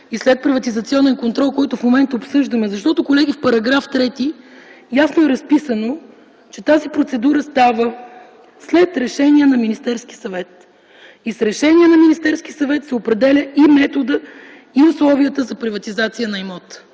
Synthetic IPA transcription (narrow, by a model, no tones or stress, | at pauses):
islɛt̪̚pɾivɐt̪izɐt̪siɔnɛnkont̪ɾɔlˠkɔjt̪ʊfmomɛnt̪əopsɤʒd̪əmɛzɐʃt̪ɔt̪ʊkolɛɡ̟ifpɐɾɐɡɾaft̪ɾɛt̪i | jasnoɛɾɐspisəno | t͡ʃɛt̪azipɾot̪sɛd̪uɾəst̪avə | slɛt̪ɾɛʃɛniɛnɐminist̪ɛɾsk̟isɐvɛt̪ | isɾɛʃɛnʲiɛnɐminist̪ɛɾsk̟isɐvɛt̪sɛopɾɛd̪ɛlʲəʔimɛt̪od̪ə | iʊslˠɔviət̪əzɐpɾivɐt̪izat̪sijənɐimɔt̪